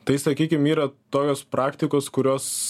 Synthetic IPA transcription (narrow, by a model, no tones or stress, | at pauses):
t̪ɐɪsɐkʲiːkʲɪmiːɾɐt̪oːkʲoːspɾɑːkt̪ʲɪkoːskʊɾʲoːs